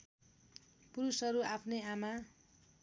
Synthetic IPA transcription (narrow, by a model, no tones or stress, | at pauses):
puɾusʌɾuapʰneama